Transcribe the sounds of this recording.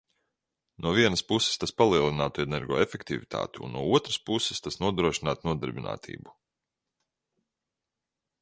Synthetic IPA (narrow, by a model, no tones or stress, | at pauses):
nuɔviɛnəspusːe̥st̪aspalˠiɛlˠinaːt̪uenɛɾɡɔ̰ːefekt̪ivit̪ʰa̰ːt̪uṵnnuɔuɔt̪ɾəspusːɪ̥st̪asnuɔd̪ɾuɔʃinaːt̪nuɔd̪ɛɾbʲina̰ːt̪ʰḭːbu